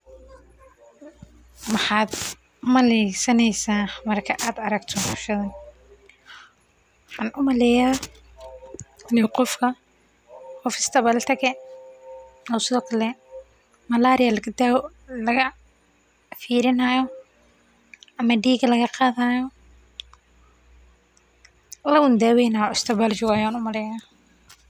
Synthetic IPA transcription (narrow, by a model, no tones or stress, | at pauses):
mɑħɑːd̪ | mɐlɛjsɐnɛjsaːmɐrkʰɐʔaːd̪ɐɾɐɡt̪ʰɔːntʊ̥ʃɐðɐ | ħɑːnʔʊmɐlɛjaː | ɪlɪjqɔfkʰɐ | qɔfɪ̥st̪ʰɐβɐlɐt̪ʰɐɣɛ | hɐwsɐðɔkʰɐlɛ | mɐlaːɾɪjɐlɐɐd̪ | lɐɣɐ | fiːɾɪnɐjɔ | ʔɐmɐɖiːɡɐlɐɣɐqɑːðaːjɔ | lɐwʊnd̪aːwɛjnajɔɪst̪ʰɐbald͡ʒɪwaːjaːnʊmɐlɛjaː